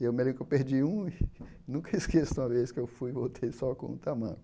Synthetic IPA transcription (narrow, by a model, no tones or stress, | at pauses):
ewmelẽmɾkewpeɾd͡ʒiũi | nũkɐiskesũmɐveskewfujvowt̪ʰejsɔkõ̰ṵ̃t̪amɐ̰̃kʊ